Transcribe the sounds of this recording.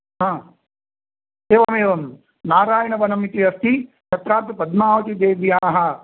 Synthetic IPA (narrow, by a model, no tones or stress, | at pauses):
ɦãː | eːʋɐmeːʋɐm | naːɾaːjɐnɐʋɐnɐmit̪iɐst̪ʰi | t͡ʃʰɐt̪ɾaːt̪upɐd̪maːʋɐt̪id̪eːʋjaːɦɐ